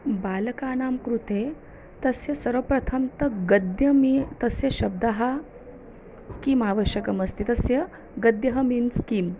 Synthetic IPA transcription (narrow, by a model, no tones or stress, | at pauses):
baːlɐkaːnaːmkɾut̪eː | t̪ɐsjɐsɐɾʋɐpɾɐt̪ʰɐmt̪ɐɡɐd̪jɐmit̪ɐsjɐʃɐb̚d̪aɦa | kimaːʋəʃjɐkɐmɐst̪it̪ɐsjɐ | ɡɐd̪jɐɦɐminskiːm